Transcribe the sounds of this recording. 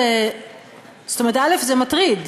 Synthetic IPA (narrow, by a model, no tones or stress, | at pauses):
e | z̥t̪oeʁet̪alefzemat̪ʁid